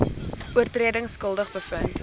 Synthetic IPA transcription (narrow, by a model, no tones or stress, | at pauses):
uərtriədəŋskəlˠdəχbəfənt